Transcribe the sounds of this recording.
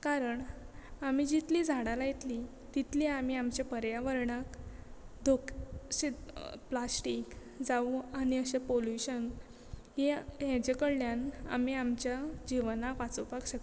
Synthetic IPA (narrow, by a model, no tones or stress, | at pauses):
kaɾəɳ | amid͡ʑit̪liːd͡zʱaɽalajet̪li | t̪it̪liamiːamt͡ɕapəɾjaʋəɾɳakd̪ʱokɕiplasʈik | d͡zauaɽ̃iəɕepoljuɕən | ɦeɦɛ̃d͡ʑekəɽljana̰miamt͡ɕjad͡ʑiʋnakʋat͡səpakɕək